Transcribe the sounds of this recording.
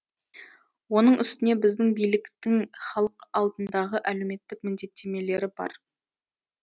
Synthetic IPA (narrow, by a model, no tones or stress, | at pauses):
wo̞nəɴʏst̪ɪne̞bɪzd̪ɪŋbijlɪkt̪ɪŋχɑlˠəqɑlˠd̪ənd̪ɑʁəʔæle̞wme̞t̪ːɪkmɪnd̪e̞t̪ːe̞me̞le̞ɾɪbɑ̰ɾ